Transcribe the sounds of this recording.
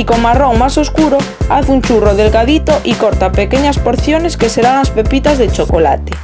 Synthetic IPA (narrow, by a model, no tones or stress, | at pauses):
ikomaroŋmasoskuɾo | aθunt͡ʃuroðelɣaðit̪oʔikoɾt̪apekeɲaspoɾθjoneskeseɾaŋaspepit̪azðet͡ʃokola̰t̪e̥